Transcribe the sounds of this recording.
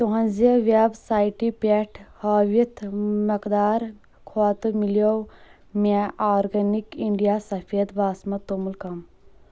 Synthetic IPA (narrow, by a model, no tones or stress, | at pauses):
t̪uɦɐ̃nzeʋabsaːjʈipeʈʰhɐʋit̪ʰmɐkd̪aːɾ | kʰat̪ɨmilijow | maʔaːɾɡɐnikiɳɖijasɐfʰeːd̪baːsmɐt̪omulkɐm